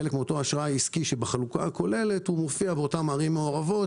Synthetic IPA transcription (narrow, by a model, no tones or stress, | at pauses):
elekmeo̞to̞aʃʁaaiskiʃebeχalukaako̞le̞le̞thumofiabeotamaʁimːeo̞ʁavo̞t